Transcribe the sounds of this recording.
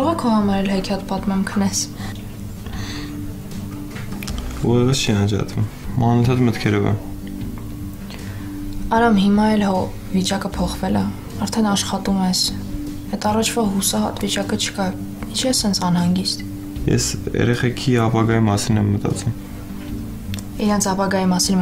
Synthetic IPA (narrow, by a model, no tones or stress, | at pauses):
kɑɔʁɑkʰɔhɑmɑɾɛlɦɛkʰɑt̪pɑt̪mɛmkʰənɛs | vɔɾɛvəst͡ʃʰiɑnd͡ʒɑ̰t̪vumː | ɑnət̪ʰɑt̪mət̪kʰɛɾɔvɑ̰ | ɑɾɑmhimɑɛlɔ | vit͡ʃɑkəpʰɔχvɛlə̰ | ɑɾt̪ʰɛnɑʃχɑt̪umɛs | ɛt̪ɑrɑt͡ʃʰvɑɦusɑɦɑ̰t̪vit͡ʃɑkət͡ʃʰə̥kɑ | int͡ʃʰɛsɛnt͡sʰɑnhɑŋɡist̪ | jɛ̰sɛ̰ɾɛχɛkʰiɑpɑɡɑjimɑsinɛmːət̪ɑ̰t͡sum | iɾɑnt͡sʰɑpɑɡɑjimɑsin